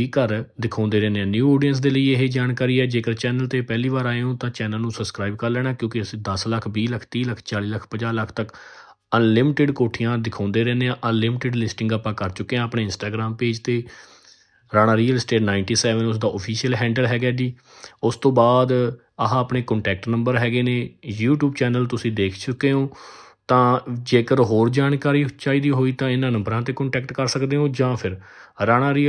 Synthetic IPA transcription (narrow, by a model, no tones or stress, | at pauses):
iːkəɾd̪ɪkʰãːnd̪eːɾɛːneãːnjuːoːɖijəns̬d̪eːləiːeɦeːd͡ʒaːnkaːɾiːɛːd͡ʒeːkəɾt͡ʃɛːnəlt̪eːpɛːliːʋaːɾaːeõːt̪ãːt͡ʃɛːnəlnũːsəbskɾaːib̚kəɾlɛːɽ̃aːkjõːkɪəsĩːd̪əsləkʰbiːləkʰt̪iːləkʰt͡ʃaːliːləkʰpəd͡ʒaːləkʰt̪ək | ənlɪmɪʈɪɖkoːʈʰijãːd̪ɪkʰãːnd̪eːɾɛːneːãːʔənlɪmɪʈɪɖlɪsʈɪ̃ŋɡaːpãːkəɾt͡ʃʊkːeãːəpɽeːɪnsʈaːɡɾaːmpeːd͡ʒt̪eː | ɾaːɽ̃aːɾiːəlɪsʈeːʈnaːɪɳʈiːsɛːʋənʊs̬d̪aːʔopʰiːsijəlɦɛ̃ːɳɖəlɦɛːɡaːd͡ʒiː | ʊst̪õːbaːd̪ | əɦãːəpɳeːkɔ̃ɳʈɛːk̚ʈnəmbəɾɦɛːɡeːneːjuːʈjuːbt͡ʃɛːnəlt̪ʊsĩːd̪eːkʰt͡ʃʊkːeːɦõː | t̪ãːd͡ʒeːkəɾɦoːɾd͡ʒaːɳkaːɾiːt͡ʃaːiːd̪iːɦoːiːt̪ãːɪnãːnə̃mbɾãːt̪eːkəɳʈɛːkʈkəɾsəkd̪eːɦõːd͡ʒãːpʰɪɾ | ɾaːɽ̃ãːɾi